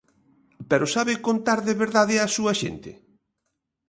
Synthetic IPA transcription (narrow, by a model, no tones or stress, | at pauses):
peɾosaβɪkont̪aɾðeβeɾðaðɪasuɐʃḛnt̪ɪ̰